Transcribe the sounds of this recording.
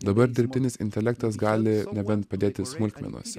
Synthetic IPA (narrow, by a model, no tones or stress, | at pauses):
d̪ɐbɐɾd̪ʲɪɾʲpʲt̪ʲɪnʲɪsɪnʲt̪ʲɛlʲɛk̚t̪ɐs̬ɡɑːlʲɪnʲɛbʲɛnt̪pɐd̪ʲeːt̪ʲɪsmʊlʲkʲmʲɛ̰nṵɔsʲ